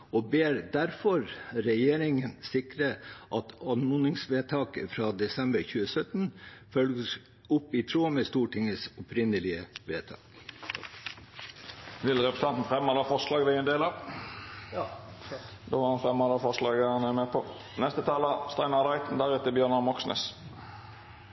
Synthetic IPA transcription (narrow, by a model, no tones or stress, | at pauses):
ɔbeːɾd̪æɾfɔɾɾɛjeːɾɪŋənsɪkɾəʔɑt̪ɑnmʊnɪŋsʋeːt̪ʰɑːkəfɾɑːd̪ɛsɛmbəɾçʉːəsœt̪nfœlɡəs | ʊpːit̪ʰɾuːmeːst̪uːʈʰɪŋəsɔpɾɪnəlɪəʋeːt̪ʰɑ̰ːk | ʋɪlʁɛpʁəsɑnt̪n̩fʁɛmːɑd̪ɑːfɔʁʂlɑːɡd̪æɪɛnd̪eːlɑ | d̪oːʋɑʁhɑnfʁɛmːɑd̪ɑfɔʁʂlɑːɡhɑnæɾmeːpʰɔ | nɛst̪ət̪ʰɑːləst̪ɑɪnɑʁd̪ɑɪt̪n̩d̪æɾɛt̪əbjœːʁnɑmɔksnə̰s